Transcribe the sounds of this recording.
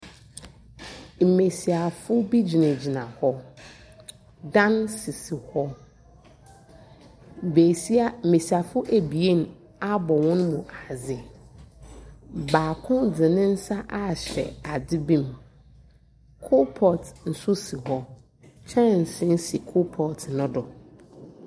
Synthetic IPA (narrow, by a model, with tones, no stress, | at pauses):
m̩˨me˨si˨a˨fʊ˦bi˦d͡ʑi˨nẽ˨d͡ʑi˨nã˨hɔ˦ | dã˦nsɪ˨si˨hɔ˦ | m̩˨be˨si˦a˦m̩˨me˨si˨a˨fʊ˦ʔe˨bi˨e˦n˦ | a˦bɔ˨wɔ̃˦n˦mũ˨ʔa˨zɪ˦ | baː˨kʰʊ̃˦dɪ̃˨nɪ̃˦n̩˦sa˦ʔa˦˨ɕɛ̰˨a˨dɪ˦bĩ˦m | kʰo˦pʰɔ˨tn̩˨sʊ˦si˨hɔ˦ | t͡ɕʰɛ̃˦˨n˨sɪ̃˦n̩˦si˨kʰo˦pʰɔ˨tʰnʊ̃˦dɔ˨